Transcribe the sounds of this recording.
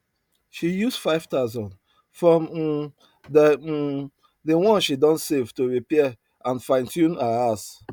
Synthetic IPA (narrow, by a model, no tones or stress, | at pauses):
ʃijusfaɪv̥taʊzɔ̃n | fɹɔ̃m | də | dewɔ̃nʃidɔ̃nsevtoɹipɛ | ãnfãɪ̃ntʰjũnaas